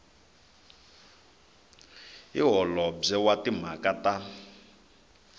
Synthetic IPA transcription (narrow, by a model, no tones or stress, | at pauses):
ḭɦɔlɔb͡ʐɛwatim̤akata